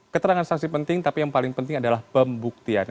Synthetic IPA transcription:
kət̪əɾaŋansaksipənt̪ɪŋt̪apijaŋpalɪŋpənt̪ɪŋadalahbəmbuk̚t̪ia̰n

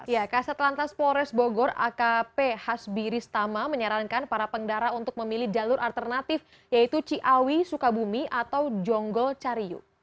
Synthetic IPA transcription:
jakasat̪lant̪aspɔɾɛsboɡɔra̰kapehasbiɾɪst̪amaməɲəɾankanpaɾapəŋdaɾaunt̪ʊk̚məmilihdalʊɾʔalt̪ərnat̪ɪf | jait̪ut͡ʃiʔawisukabumiʔat̪awd͡ʒɔŋɡɔlt͡ʃaɾiṵ

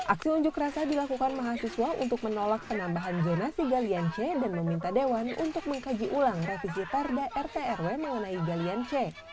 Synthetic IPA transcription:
ʔak̚siuɲd͡ʒʊkrasadilakukanmaɦasisuaṵnt̪ʊk̚mənolakːənambaɦand͡ʒonasiɡaliant͡ʃɛdanməmint̪adewanṵnt̪ʊk̚məŋkad͡ʒiʔulaŋrefis̬ip̪ardaʔɛrt̪eɛrweməŋənaiɡaliant͡ʃɛ

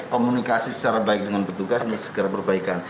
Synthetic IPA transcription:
komunikasisə̥t͡ʃaɾabaɪk̚dəŋanpərt̪uɡasinisə̥ɡəɾabərbaikan

